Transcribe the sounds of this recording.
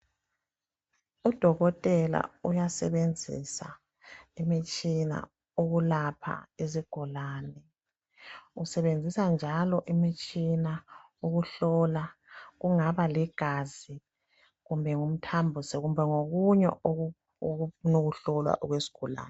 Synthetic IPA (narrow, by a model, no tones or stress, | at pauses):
ud̥ʱɔɣɔtʼɛla̰ujasɛβend͡zʱḭsa̰ | imit͡ʃʼina̰ | oɣulapʰa̰iziɡ̥ʱulaːnɛ | usɛβend͡zʱisand͡ʒʱalɔʔimit͡ʃʼina | uɣuɬɔlaɣuŋaβaliɡ̥ʱazi | ɣumbʱɛŋum̩tʰambʱusɛɣumbʱɛŋoɣuɲɛ̰ | noɣuɬɔlwa̰ʔuɣwesi̥ɡ̥ʱɔla̰ːnɛ